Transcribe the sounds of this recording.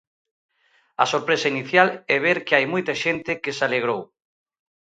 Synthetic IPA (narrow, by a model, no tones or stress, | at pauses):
ɐsoɾpɾesainiθjalɛβ̞eɾkeajmojt̪aʃent̪ɪkesaleɣ̞ɾow